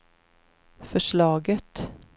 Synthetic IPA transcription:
fœʃɭɑːɡət̪

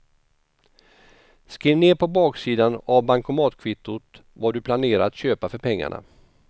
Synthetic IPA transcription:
skɾiːvneːɾpʰɔbɑːksiːd̪anavbaŋkʊmɑːt̪kʰvɪt̪ːʊt̪ | vaɖɵpʰlaneːɾat̪ɕøːpafœɾpʰɛŋːa̰ɳa̰

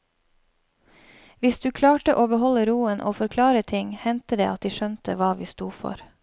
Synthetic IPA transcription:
ʋɪsd̪ʉːkʰlɑːʈəʔoːbəhɔləɾuːənʔoːfɔɾkʰlɑːɾət̪ʰɪŋhɛnt̪əd̪ḛːʔɑt̪̚d̪iːʃœnt̪əʋɑːʋiːst̪uːfɔ̰ɾ

